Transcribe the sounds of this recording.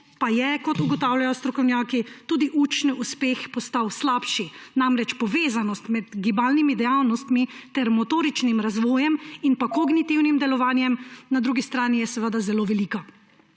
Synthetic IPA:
pajɛkɔt̪uɡɔt̪aːwljajɔst̪ɾɔkɔwnjaːkit̪uːd̪iʔut͡ʃnuspexpɔst̪awslaːpʃinamɾɛt͡ʃpɔʋeːzanɔst̪mɛd̪ɡibaːlnimid̪ɛjawnɔst̪mit̪ɛɾmɔt̪oːɾit͡ʃnimɾazʋɔːjɛminpakoɡnit̪iwnimd̪ɛlɔʋaːnjɛmnad̪ɾuːɡist̪ɾaːnijɛsɛʋəd̪azɛloːʋɛliːka

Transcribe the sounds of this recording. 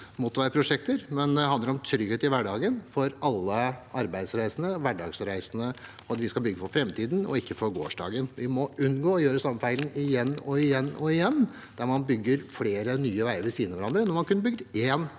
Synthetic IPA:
mut̪ːʋæɪəpʰɾʊʂɛk̚t̪əɾmɛnd̪ɛhɑnd̪əɾɔmt̪ʰɾʏɡheːt̪ɪʋæɖɑːɡənfɔɾɑlːəɑɾbæɪd̪sɾæɪsənəʋæɖɑːɡsɾæɪsənə | ɑt̪ʋɪskɑlbʏɡːəfɔɾfɾɛmt̪ʰiːd̪n̩ɔ̰ɪkːəfɔɾɡo̰ːʂɖɑ̰ːɡənʋɪmɔʉnːɡoːɔjøːɾəsɑmːəfæɪln̩ɪjɛnːɔɪjɛnːɔɪjɛnː | d̪̥æɾmɑnbʏɡːəɾfleːɾənyːəʋæɪəɾʋɪsiːənəʋæɾɑnd̪ɾənɔɾmɑnkʉnːəbʏɡ̚d̪eːn

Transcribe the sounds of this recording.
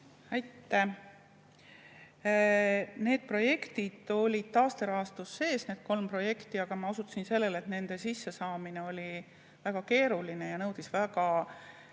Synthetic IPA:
æjt̪ˑːe | ne̞ːd̪̥̚pro̞je̞kt̪id̪̥o̞lʲid̪̥̚t̪ɑːst̪eɾɑːst̪usːe̞ːsne̞ːd̪̥̚ko̞lmpro̞je̞kt̪iɑɡ̥ɑmɑusut̪ːsinse̞lːele̞t̪ne̞nd̪̥e̞sisːe̞sɑːmine̞o̞lʲi | væɡ̥ɑke̞ːɾuline̞jɑnɤwd̪̥isvæɡ̥ɑ

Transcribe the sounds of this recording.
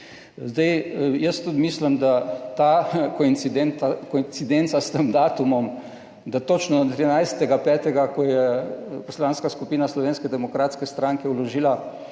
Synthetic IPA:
zd̪ajjəst̪ud̪mislimd̪at̪akɔinsid̪ɛnt̪akoint̪sid̪ɛnt̪sast̪əmd̪aːt̪umɔm | d̪at̪ot͡ʃnɔat̪ɾinajst̪ɛɡapɛːt̪ɛɡakɔjɛpɔslaːnskaskupiːnaslɔʋeːnskɛd̪ɛmɔkɾaːt̪skɛst̪ɾaːŋkɛulɔʒiːla

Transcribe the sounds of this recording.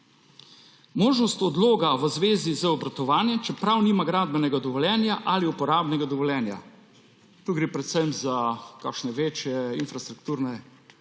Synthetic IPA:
moːʒnɔst̪ɔd̪loːɡaʋəzʋeːzizəɔbɾat̪ɔʋaːnjɛmt͡ʃɛpɾawniːmaɡɾaːd̪̚bɛnɛɡad̪ɔʋɔljɛːnjaʔaliupɔɾaːbnɛɡad̪ɔʋɔljɛːnja̰ | t̪uːɡɾeːpɾɛt̪sɛmzakakʃnɛʋeːt͡ʃjɛinfɾast̪ɾukt̪uːɾnɛ

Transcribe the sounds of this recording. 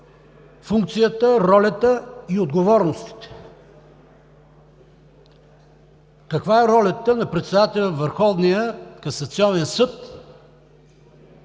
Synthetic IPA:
fuŋk̚t̪sijət̪əɾɔlʲət̪əiod̪ɡovɔɾnost̪i̥t̪ɛ̥ | kɐkvaɛɾɔlʲɐt̪ənɐpɾɛt̪sɛd̪at̪ɛlʲəvəɾxɔvnijəkɐsɐt̪siɔnɛnsɤt̪

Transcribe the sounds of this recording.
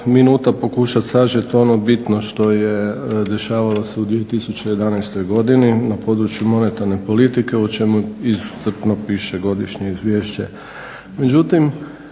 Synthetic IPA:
minuːt̪apo̞kuʃat̪saʒet̪o̞nobit̪noʃt̪o̞jed̪e̞ʃaːʋalose̞ud̪ʋije̞t̪isut͡ɕejed̪anajst̪o̞jɡo̞d̪ininapo̞ːd̪ɾut͡ɕjumo̞ne̞t̪aɾne̞po̞lit̪ike̞ut͡ʃe̞muizːr̩pnopiːʃeɡo̞d̪iʃɲe̞izʋje̞ːʃt͡ɕe̞̰ | me̞d͡ʑut̪im

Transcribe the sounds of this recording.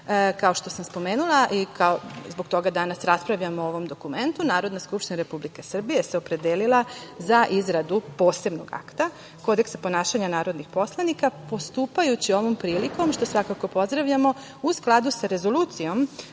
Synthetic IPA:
kao̞ʃt̪o̞samspo̞meːnulˠaʔikʰaozbo̞ɡt̪o̞ɡad̪anasɾaspɾaʋʎamoo̞ʋo̞md̪o̞kume̞nt̪unaːɾo̞d̪naskupʃt̪inaɾe̞publike̞sr̩bije̞seo̞pɾe̞d̪eːlilˠazaʔizɾad̪upo̞ːse̞bnoɡa̰kt̪a | ko̞d̪e̞ksapo̞naːʃaɲanaːɾo̞d̪nixpo̞slˠanikapo̞st̪uːpajut͡ɕio̞ʋompɾiːliko̞mʃt̪o̞sʋakako̞po̞zd̪ɾaʋʎamo̞ | usklˠad̪usaɾe̞zo̞luːt̪sijo̞m

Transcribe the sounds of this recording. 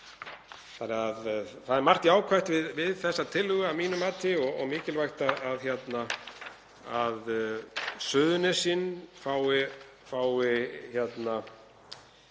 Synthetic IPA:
θanɪaðθaðɛɾmar̥t̪iaːwkʰvajht̪vɪðvɪðθɛsːat̪ʰɪlhʏɣʏavmiːnʏmaːt̪ɪɔɣɔ̰mɪːcɪlvajxt̪aðaðçjɛt̪na | að | sʏːðʏnɪsinːfaːwɪ | faːwɪçjɛt̪na

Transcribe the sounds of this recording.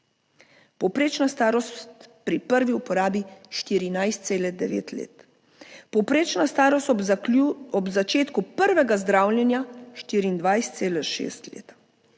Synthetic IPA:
pɔwpɾeːt͡ʃnast̪aːɾɔst̪pɾipəɾʋiupɔɾaːbiʃt̪iːɾinajst̪seːlɛd̪ɛʋḛːt̪lḛːt̪ | pɔwpɾeːt͡ʃnast̪aːɾɔst̪ | ɔbzat͡ʃeːt̪kupəɾʋɛɡazd̪ɾaːwlʲjɛnjaʃt̪iːɾind̪ʋajst̪seːlɛʃḛːst̪lḛːt̪ḁ

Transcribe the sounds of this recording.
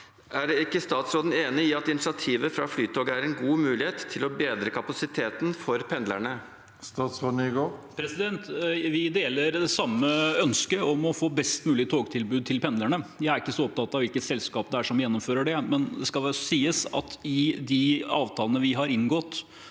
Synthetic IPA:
æɾɛɪkːəst̪ɑːt̪sɾoːd̪n̩eːnɪɪɑt̪ɪnɪsɪɑt̪ʰiːʋəfɾɑflyːt̪ʰoːɡəæɾɛnɡuːmʉːlɪeːt̪ʰːɪlɔbeːd̪ɾəkʰɑpɑsɪt̪ʰeːt̪n̩fɔɾpʰɛnd̪læ̰ɳə | st̪ɑːt̪sɾoːd̪n̩ɪɡopʰɾɛsɪd̪ɛnt̪ʋɪd̪eːləɾd̪ɛsɑmːəœnskəɔmɔfoːbɛst̪mʉːlɪt̪ʰoːɡt̪ʰɪlbʉːd̪̚t̪ʰɪlpʰɛnd̪læɳəjæɪæɾɪkːəsɔɔp̚t̪ʰɑt̪ːɑʋɪlkət̪sɛlskɑːpd̪ɛæʂɔmjɛnːɔmføːɾəɖɛmɛnd̪ɛskɑlsiːəsɑ̰t̪ɪd̪ɪɑːʋt̪ʰɑːlnəʋɪɦɑɾɪnɡɔt̪

